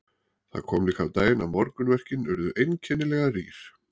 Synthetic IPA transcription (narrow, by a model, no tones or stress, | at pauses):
θa̰̥kʰɔːmliːkawt̪aːjɪnamɔɾkʏnvɛr̥cɪnʏɾðʏʔejncʰɛnːɪlɛɣarḭːɾ̥